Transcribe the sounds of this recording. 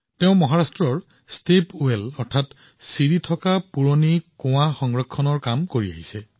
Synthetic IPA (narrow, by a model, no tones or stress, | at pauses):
teʊ̃mɔɦaɹastɹɔɹ | stepelɔɹtʰat | siɹitʰɔkapuɹonikõwaxɔŋɹɔkʰːɔnɔɹkamkoɹia̰ɦisɛ